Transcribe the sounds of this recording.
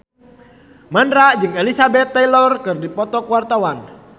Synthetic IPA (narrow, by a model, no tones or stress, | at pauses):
mandɾaʔd͡ʒɨŋelisabɛt̪ːɛjlɔrkɨrdipɔt̪ɔkuwart̪awan